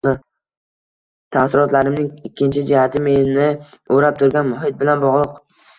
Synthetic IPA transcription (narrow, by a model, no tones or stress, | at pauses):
t̪ʰasɪɾɒt̪laɾɪmnɪŋɪkʲʰːɪnt͡ʃʰɪd͡ʒɪhat̪ʰɪmennɪoɾap̚t̪ʰʊɾɡʲanmʊɦɪt̪̚bɪlanbɒʁlˠɨq